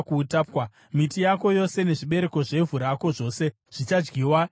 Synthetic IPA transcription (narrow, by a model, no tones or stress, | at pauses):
kuːtaːpkwa | mitijako̞jo̞se̞ne̞ʐiɓe̞ɾe̞ko̞ʐe̞vuɾako̞ʐo̞ːse̞ | ʐ̥it͡ʃad͡ʒɡiːwa